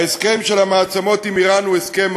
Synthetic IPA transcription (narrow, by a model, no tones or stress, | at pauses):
eskemʃelamaːt͡samo̞t̪imiʁanueskem